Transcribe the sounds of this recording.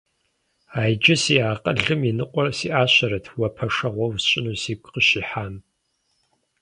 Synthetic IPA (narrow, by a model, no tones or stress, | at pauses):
aːjd͡ʒɪsiːaːqʼɐɮɨminɨqʷʼɔrsiːʔaːɕɐɾɐtʰwɐpʰɐʂɐʁʷɔwsɕʼɪnuːsiːkʷʼqəɕiːħaːm